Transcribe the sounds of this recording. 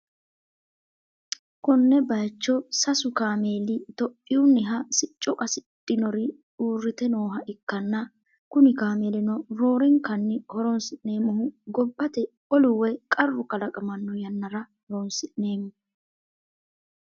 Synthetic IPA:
kɔnːɛbɐjt͡ʃːɔsɐsʊkaːmeːlɪt̪ɔpʼːɪʊnːɪɦɐsɪt͡ʃʼːɔkʼɐsɪt̪ʼːɪnɔɾɪ | uːrːɪt̪ɛnoːɦɐʔɪkːɐnːɐ | kʊnɪkaːmeːlɪnɔɾo̞ːɾɛŋkɐnːɪhɔɾɔnsɪʔneːmːʊhʊɡɔbːɐt̪ɛ | ɔlʊwɛkʼɐrːʊkɐlɐkʼɐmɐnːɔjɐnːɐɾɐ | hɾɔnsɪʔne̞ːmːʊ

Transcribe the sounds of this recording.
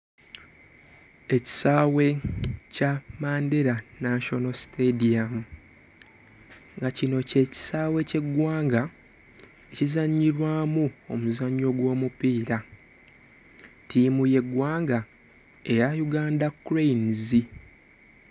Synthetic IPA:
e̞ci̥saːwe̞camaːndeɾanaʃo̞nosi̥tedijamu | ŋɡacino̞ce̞ːci̥saːwe̞ce̞ɡwaːŋɡa | ecizaɲːiɾwaːmuo̞muzaɲːo̞ɡwo̞ːmupiːɾa | timuje̞ɡwaːŋɡa | e̞jajuɡaːndakːuɾenzi

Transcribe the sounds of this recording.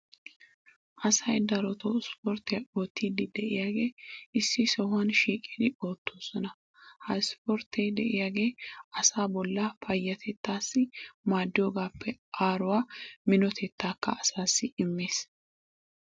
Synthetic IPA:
ʔɐsɐjd̪ɐɾɔt̪oːspoɾt̪eoːt̪ːiːd̪ɪd̪ɛʔɪjaːɡe̞ːɪsːɪsɔhʊɐnʃiːkʼiːd̪ɪo̞ːt̪ːoːsɔnɐ | hɐjspɔɾt̪ːejd̪ɛʔɪjaːɡe̞ːɐsaːbɔlːɐfɐjːɐt̪ʰɛt̪ːaːsːɪmaːd̪ːɪjoːɡaːpʰːɛʔaːɾʊwaːmɪnɔt̪ʰɛt̪ːaːkːɐɐsaːsːɪɪmːeːs

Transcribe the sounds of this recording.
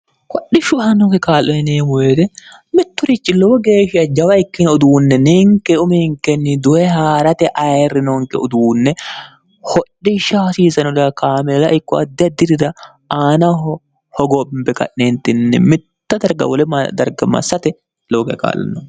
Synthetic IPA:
kɔɗːɪʃʊhɐnɔŋkɛkaːlːɛnɛneːmʊweːt̪ɛmɪt̪ːʊɾɪt͡ʃːɪlɔwɔɡeːʃɪɐd͡ʒɐwɐɪkːɪnɔd̪uːnːɛniŋkɛʊmɛŋkɛnːɪd̪ʊɛhaːɾɐt̪ɛʔɐjrːɪnɔŋkɛ̰ɔ̰d̪uːnːɛ | hɔᶑːɪʃaːsiːsɐnɔd̪ɐkaːmɛlɐʔɪkːɔɐd̪ːɪɐd̪ːɪd̪ɪd̪ɐ | ʔaːnɐɦɔ | hɔɡoːbɪmbɛkɐ̰ʔneːnt̪ɪnːɛ̰mɪt̪ːɐd̪ɐɾɡɐ̰wɔlɛɐd̪ɐɾɡɐmɐ̰sːɐt̪ɛ | lɔwɔɡeka̰ːlːɐ̰nːɔ

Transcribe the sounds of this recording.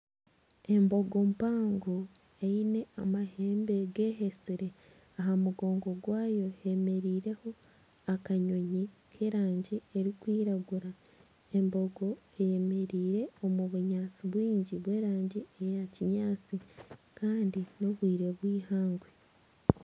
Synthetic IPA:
e̞mbo̞ɡo̞mpaːŋɡo | eine̞amahe̞ːmbe̞ɡe̞ːɦesiɾe̞ | aɦamuɡo̞ːŋɡo̞ɡwaːjo̞heme̞ɾiːɾe̞ho̞ | akaɲo̞ɲikʰe̞ːɾaːɲɟieɾikwiːɾaɡuɾa | e̞mbo̞ɡo̞ | e̞je̞me̞ɾiːɾe̞o̞muβuɲaːt͡siβwiːɲɟiβwe̞ːɾaːɲɟiejaciɲaːt͡sikaːndinoβwiːɾe̞βwiːhaːŋɡwe

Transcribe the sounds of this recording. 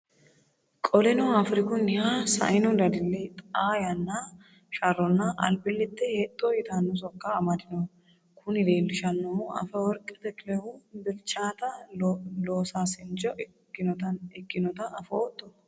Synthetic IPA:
kʼɔlɛnɔafɾɪkʊnɪhaːsɐ̰ɪnɔd̪ɐd̪ɪlːɛt̪ʼaːjɐnːa | ʃɐrːɔnːɐʔɐ̰lbɪlːɪt̪ːɛhet̪ʼːoːjɪt̪anːɔs̬ɔkːaːmɐd̪ɪnɐ | kʰʊnɪd̪eːlːʊʃɐnːɔɐ̰fɐwɔɾkʼɛt̪ɛkʼɪlɛhubɪlt͡ʃːaːt̪ɐloːsaːsɪnt͡ʃɔ | ɐɛɡːɪnɔt̪ɐɐfɐot̪ʼːɔ

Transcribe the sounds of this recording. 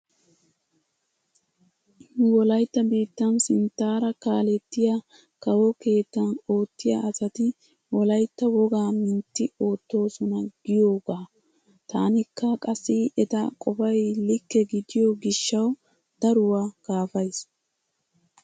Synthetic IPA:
wɔlɐjt̪ːɐbiːt̪ːɐnsɪnt̪ːaːɾɐkaːlɛt̪ːɪja | kɐwɔke̞ːt̪ːɐno̞ːt̪ːɪja̰ʔːsɐt̪ɪ | wɔlɐjt̪ːɐwɔɡaːmɪnt̪ːɪo̞ːt̪ːo̞ːsɔnɐɡ̥ɪjo̞ːɡaː | t̪aːnɪkːɐkʼɐsːɪʔɛt̪ɐkʼɔfɐjlɪkːɛɡɪd̪ɪjɔɡɪʃːɐw | d̪̥ɐɾʊwaːɡ̥aːfɐjs

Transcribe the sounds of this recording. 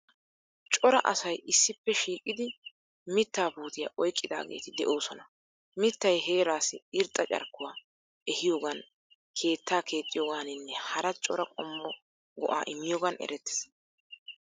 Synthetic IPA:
t͡ʃʼɔɾɐʔɐ̰sɐjɪsːɪpːɛʃiːkʼːɪd̪ɪ | mɪt̪ːaːbuːt̪ɪja̰ʔɔjkʼːɪd̪a̰ːɡe̞̰ːt̪ɪd̪ɛʔo̞ːsɔnɐ | mɪt̪ːɐjhe̞ːɾaːsɪɪɾt̪ʼːɐt͡ʃʼɐ̰ɾkːʊwaː | ɛhɪjoːɡɐn | kʰe̞ːt̪ʰːaːkʰe̞ːt͡s̪ʼːɪjoːɡaːnɪnːɛhɐɾɐt͡ʃʼɔɾɐkʼɔmːɔ | ɡɔ̰ʔa̰ːʔɪmːɪjoːɡɐnɛ̰ɾɛt̪ːɛ̥s

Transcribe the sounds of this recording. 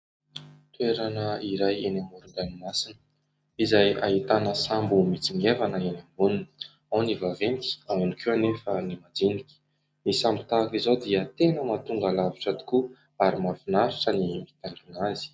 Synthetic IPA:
t̪ueɾanəiɾajenamuɾunɡ̪animasinə̥ | izaja̰ɦit̪anəsambumit͡simievanəenamununi̥ | anivavent̪i̥awanikʰeanefənimad͡zinikʲi̥ | nisambit̪aːkizod̪iət̪enəmat̪uŋɡalaviʈ͡ʂad̪u̥ku | aɾimafinaɾuʈ͡ʂənimit̪aɳɖ͡ʐinazi̥

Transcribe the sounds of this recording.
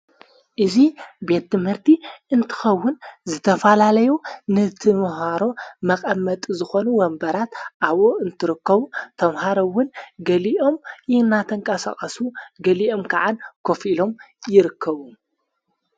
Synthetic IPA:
ʔɨzibe̞t̪ːɨmhɨɾt̪ʰiɨnt̪ʰɨ̥xɐwːʊnzɨt̪ʰɐfɐlalɐjunɨt̪ʰɨmhaɾo̞mɐkʼɐmːɐt̪ʼzɨxo̞nuwɐmbɐɾat̪ʔaβoɨnt̪ʰɨɾɨkːɐβuɐmhaɾowːʊnɡɐliʔo̞mjɪnːat̪ʰɐŋkʼɐsa̰xʼɐsuɡɐliʔo̞mkʰaʕankʰo̞filo̞m | jɪɾɨkʰːɐβu

